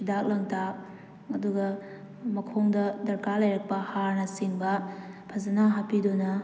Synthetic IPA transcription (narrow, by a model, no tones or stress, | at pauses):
idak̚lɐŋtʰa | ɐduɡɐ | mɐkʰoŋdɐdɐɾkalɐjɾɐk̚pɐhaɾnɐsiŋbɐpʰɐzɐnaɦapidonɐ